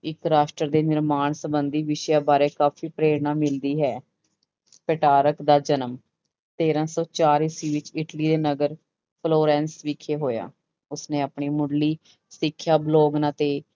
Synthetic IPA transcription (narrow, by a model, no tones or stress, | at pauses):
ɪkɾaːʃʈɾəɾd̪eːnɪɾmaːɳsəbənd̪iːʋɪʃjaːbaːɾeːkaːfʰiːpɾeːɾnaːmɪld̪iːɦɛː | pəʈaːɾəkd̪aːd͡ʒənəm | t̪eːɾãːsɔːt͡ʃaːɾɪsiːʋɪt͡ʃɪʈliːd̪eːnəɡəɾ | pʰloːɾɛ̃ːnsʋikʰːeːɦoːja̰ː | ʊsnẽːapɳiːmʊɽliː | sɪkʰːjaːbloːɡnãːt̪eː